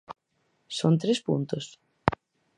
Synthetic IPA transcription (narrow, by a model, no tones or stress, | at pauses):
sont̪ɾespṵnt̪ʊs